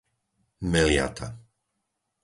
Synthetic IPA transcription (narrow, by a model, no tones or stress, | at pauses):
mɛlɪa̰t̪ʰa